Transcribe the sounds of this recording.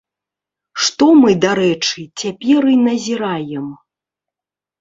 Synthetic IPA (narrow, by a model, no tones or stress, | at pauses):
ʂt̪ɔmɨd̪aɾɛt͡ʂɨt͡sʲapʲɛɾɨnɐzʲiɾajɛm